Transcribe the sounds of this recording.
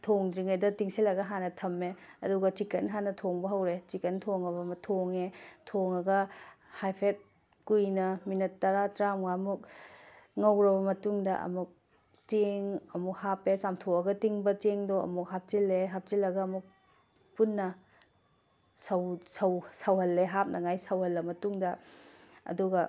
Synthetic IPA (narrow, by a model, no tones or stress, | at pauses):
tʰoŋdɾiŋɐjdɐtiŋsilɐɡɐɦanɐtʰɐmːeɐ̰duɡɐt͡ʃikːɐ̰nɦanɐtʰoŋbɐɦɐwɾet͡ʃikɐntʰoŋɐbɐmɐtʰoŋetʰoŋɐɡɐhajpʰet̚ | kujnɐminɐtːɐɾatɾamɡaɐmuk̚ | ŋɐwɾɐbɐmɐtuŋdɐʔɐ̰muk̚ | tiŋɐmuk̚hapesamtʰoɐɡɐtiŋbɐteŋdoɐ̰muk̚ɦap̚t͡ʃilːeɦap̚t͡ʃilɐɡɐːmuk̚ | punːɐ | sɐwsɐwsɐwhɐlːeɦap̚nʔɐŋajsɐwhɐlːɐmɐtuŋdɐ | ɐ̰duɡɐ